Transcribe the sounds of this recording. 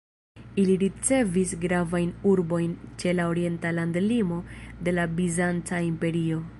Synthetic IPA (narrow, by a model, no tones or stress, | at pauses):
iliɾit͡se̞visɡɾavajnuɾbo̞jnt͡ʃe̞lao̞ɾie̞ntalandlimo̞de̞labizant͡saimpe̞ɾio̞